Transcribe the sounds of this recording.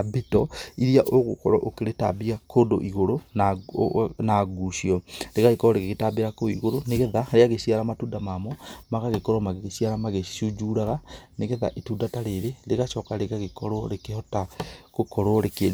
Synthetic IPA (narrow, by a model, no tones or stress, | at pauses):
abitɔiɾiaʔoɣokɔ̰ɾɔʔokeɾeta̰biakʰoːndo̰ʔiɣoɾon | naɡuʃiɔɾeɣaɣekɔɾɔɾekeɣetabeɾakoiɣoɾoneɣeðaɾeaɣesiaɾamatuːndamamɔmaɣaɣekoɾomaɣeɣesiaɾamaɣeʃud͡ʒuɾaɣaneɣeða̰ʔetuːdataɾeɾeɾeɣaʃɔkaɾeɣaɣekoɾoɾekehɔtakokoɾoɾeke